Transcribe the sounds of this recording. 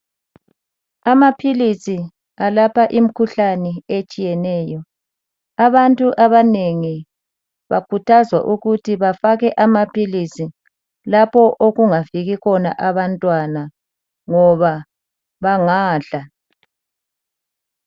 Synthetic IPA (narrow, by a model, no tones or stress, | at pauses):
amapʰilisi | alapaʔim̩kʰuɬanɛet͡ʃʼijɛnɛːjɔ | aβantʼuʔaβaneŋi | βa̰kʰutʰazwa̰ʔuɣutʰiβafaɣɛʔamapʰilisi | lapʰɔʔoɣuŋafiɣikɔna̰ʔaβantʼwana | ŋɔβa | βaŋaːɬa